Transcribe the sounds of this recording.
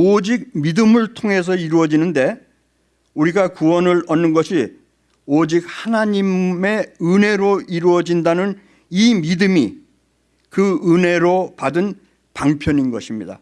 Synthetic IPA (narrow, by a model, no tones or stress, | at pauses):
od͡ʑik̚midɯmɯɭtʰoŋɦe̞s̬ʰʌiɾuwʌd͡ʑinɯnde̞ | uɾiɡakuwʌnɯɭʌnːɯnɡʌɕʰi | od͡ʑik̚hanaɲime̞ɯne̞ɾoiɾuwʌd͡ʑindanɯn | imidɯmi | kɯɯne̞ɾopadɯn | paŋpʰjʌɲinɡʌɕʰimɲida̰